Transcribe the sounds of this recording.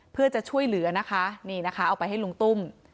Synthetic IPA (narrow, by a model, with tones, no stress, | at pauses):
pʰɯ˥˩ɐt͡ɕa˨˩t͡ɕʰu˥˩əjlɯ˩˦ɐ˦na˦˥kʰa˦˥ʔniː˥˩na˦˥kʰa˦˥ʔa˧wpa˧jɦa˥˩jlu˧˦ŋt̪u˥˩m